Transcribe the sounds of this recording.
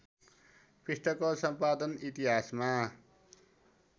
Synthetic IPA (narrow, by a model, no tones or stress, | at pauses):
pisʈʰʌkosʌmpad̪ʌnit̪iɦasma